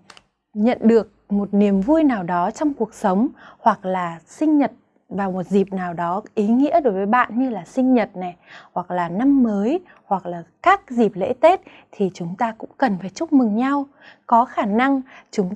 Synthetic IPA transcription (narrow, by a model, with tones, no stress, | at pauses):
ɲə̰˧˨nɗɨ˨˩ək̚mo˨˩t̚ni˨˩əmvu˧jnaː˨˩wɗɔ˨˦t͡ɕɔ˧wŋ͡mku˨˩ək̚sə˨˦wŋ͡mhwa˨˩k̚laː˨˩sï˧ŋ̟ɲə˨˩t̚ | vaː˨˩wmo˨˩t̚zi˨˩p̚naː˨˩wɗɔ˨˦ʔi˨˦ŋḭ˧˥əɗo˨˦jvəː˨˦jɓa̰ː˧˨nɲɨ˧laː˨˩sï˧ŋ̟ɲə˨˩t̚nɛ˨˩hwa˨˩k̚laː˨˩na˧mːəː˨˦j | hwa˨˩k̚laː˨˩kaː˦˥k̚zi˨˩p̚lḛ˧˥t̪e˦˥t̚ | t̪ʰi˨˩t͡ɕʊ˨˦ŋ͡mt̪aː˧kʊ̰˧˥ŋ͡mkə˨˩nfaː˧˩jt͡ɕʊ˦˥k͡p̚mɨ˨˩ŋɲa˧w | kɔ˨˦xaː˧˩na˧ŋt͡ɕʊ˨˦ŋ͡m